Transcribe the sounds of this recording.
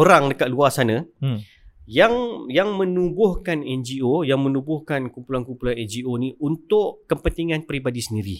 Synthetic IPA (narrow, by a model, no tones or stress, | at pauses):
oɾaŋdəkat̪̚luasanə̃ | jaŋjaŋmə̃nubʊhkanɛnd͡ʒiojaŋmə̃nũbʊhkankumpulankumpulanɛnd͡ʒionĩʔunt̪ʊʔkəpənt̪iŋãnpɾibadisəndiɾḭ